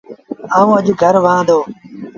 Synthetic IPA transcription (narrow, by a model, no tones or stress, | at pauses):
aːũːəʄɡʱəɾʋãːd̪oː